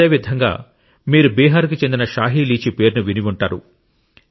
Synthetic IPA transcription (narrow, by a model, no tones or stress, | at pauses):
eːʋid̪ʱɐŋɡa̰ː | miːɾubiːɦaːɾukit͡ʃe̞nd̪inɐʃaːɦiliːt͡ʃipe̞ːɾnuʋiniʋuɳʈaːɾu